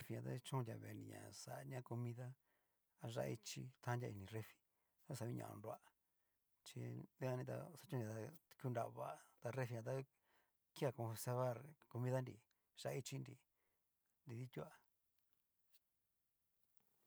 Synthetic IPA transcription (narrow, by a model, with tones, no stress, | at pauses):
e˦fi˧ɲã˧t̪a̰˦t͡ʃũ˦˧dʲa˨βḛ˨˧ndḭ̃˧ɲã̰˨sa˨˧ɲã˦ko˧mĩ˧ða˦ | a˧ʒa̰˧i˦t͡ʃḭ˧t̪ʰã˦ndʲa˧i˧nĩ˧re˦fi̥˧˦ | sa˧βĩ˦ɲã̰˧˨˧nu˧a˧˨ | t͡ʃi˧d̪e˦ã˧nĩ˧t̪a̰˧sa˧t͡ʃũ˦˧d̪ʲa˨˧t̪a˧ku˦˧nda˧βa˧˨t̪a˧re˦fi˧ɲã˧t̪̬a˦ | ki˦a˧kõ˧se˧βa˦˧˨ɾko˧mĩ˦ða˦ndi˧˨ | ʒ̥a˧i˦t͡ʃi˦ndi˧˨ | nd̪i˧ði˦t̪ʲu˦a˧˨